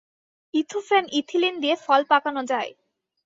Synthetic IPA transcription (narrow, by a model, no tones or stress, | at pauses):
it̪ʰufɛnit̪ʰilind̪ijefɔlpakanod͡ʑae